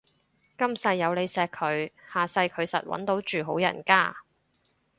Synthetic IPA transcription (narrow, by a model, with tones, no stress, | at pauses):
kɐ˥msɐ˧jːɐ˨˧wle˨˧jsɛː˧kʰɵ˨˧ɥhaː˨˩sɐ˧jkʰɵ˨˧ɥsɐ̰˨t̚wɐ̰˨˥nt̪o˨˥wt͡ʃyː˨ɦo˨˥wjɐ̰˨˩nkaː˥